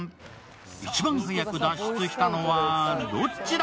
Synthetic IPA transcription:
it͡ɕibãŋhɯŋjakɯd̪aɕi̥t͡sɯɕʲi̥t̪anoβaɾot͡ɕ͈iɾ

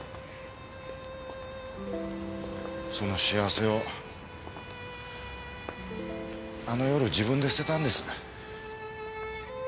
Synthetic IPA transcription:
so̞no̞ɕiaβse̞o̞ | ano̞jo̞ɾɯ̟d͡ʑiβɯ̟̃nd̪e̞si̥t̪e̞t̪ãnd̪e̞sɨ̥

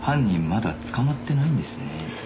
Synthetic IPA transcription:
hãɲ̟ːĩmːad̪a̰t͡sɨ̥kamat̪ːe̞naĩnd̪e̞sɨne

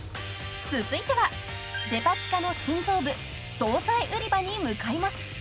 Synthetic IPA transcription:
t͡sɨzɨit̪e̞βa | de̞pat͡ɕi̥kano̞ɕĩnd͡zo̞ːbɯ̟ | so̞ːsaiʔɯ̟ɾʲibaɲ̟imɯ̟kaimasɨ̥

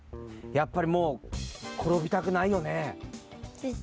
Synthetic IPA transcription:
japːaɾʲimo̞ːkʰo̞ɾo̞bʲit̪akɯ̟naijo̞ne

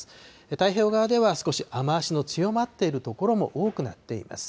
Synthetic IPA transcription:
ɨ̥ | et̪aiço̞ːɡaβad̪e̞βasɨ̥ko̞ɕiamaːɕino̞t͡sɨjo̞mat̪ːe̞iɾɯ̟t̪o̞ko̞ɾo̞mo̞̰ʔoːkɯ̟na̰t̪ːe̞̰ḭma̰sɨ̥

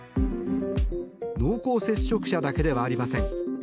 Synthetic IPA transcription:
no̞ːko̞ːse̞ɕːo̞kɯ̟̥ɕad̪ake̞d̪e̞βaːɾʲimasẽ̞ŋ

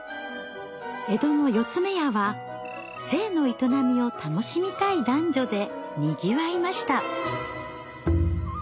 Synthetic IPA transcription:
e̞d̪o̞nojo̞t͡sɨme̞jaβa | se̞ːno̞it̪o̞namʲio̞t̪ʰano̞ɕimʲit̪aid̪ãɲ̟d͡ʑo̞d̪e̞ | mʲiɡʲiβaimaɕi̥t̪a

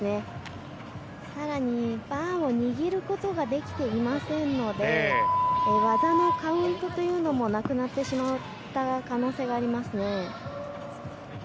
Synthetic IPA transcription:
ne | saɾaɲ̟ibãɰ̃o̞ɲ̟iɡʲiɾɯ̟ko̞t̪o̞ɡad̪e̞kʲi̥t̪e̞imasẽ̞nːo̞d̪e̞ | βazano̞kaɯ̟̃nt̪o̞t̪o̞jɯ̟ːno̞mo̞nakɯ̟nat̪ːe̞ɕimaɯ̟ | t̪akano̞ːse̞ːɡaːɾʲimasɨne̞

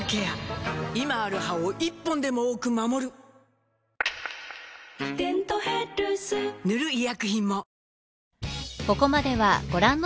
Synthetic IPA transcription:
ke̞jaimaːɾɯ̟haoʔipːõ̞nd̪e̞mo̞oːkɯ̟mamo̞ɾɯ̟ | d̪ẽnt̪oheɾɯsɨnɯ̟ɾɯ̟ijakɯ̟çĩmːo̞ | ko̞ko̞mad̪e̞βa̰ɡ̥o̞ɾãnː

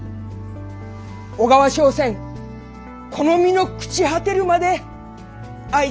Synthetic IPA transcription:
oɡaβaɕo̞ːsẽ̞ŋ | kʰo̞no̞mʲino̞kɯ̟̥t͡ɕiɦat̪e̞ɾɯ̟mad̪e̞ | ai

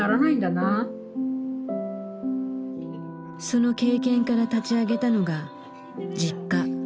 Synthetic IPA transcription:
aɾanaĩnd̪ana | so̞no̞ke̞ːkẽ̞ŋkaɾat̪at͡ɕiaɡe̞t̪ano̞ɡa | d͡ʑikːa

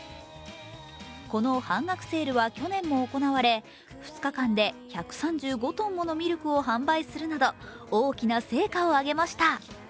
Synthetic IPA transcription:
ko̞no̞hãŋɡakɯ̟̥se̞ːɾɯ̟βakʲo̞nẽ̞mːo̞ːko̞naβaɾe̞ | ɸɯ̟̥t͡sɨ̥kakãnd̪e̞çakɯ̟̥sãɲ̟d͡ʑɨːɡo̞t̪õ̞mːo̞no̞mʲiɾʲokɯ̟o̞ɦãmbaisɨɾɯ̟nad̪o̞ | oːkʲinase̞ːkaoaɡe̞maɕi̥t̪a

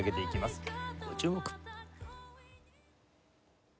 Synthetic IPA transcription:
ɡe̞t̪e̞ikʲimasɨ̥ot͡ɕɨːmo̞kɯ̥

